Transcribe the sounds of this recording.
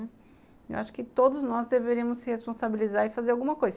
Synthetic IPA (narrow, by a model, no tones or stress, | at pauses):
ḛwʔaʃʊ̥kɪt̪od̪ʊznɔzd̪eveɾiɐ̃mʊssɪhespõsabilizaɾɪfazeɾawɡũmɐkojzɐ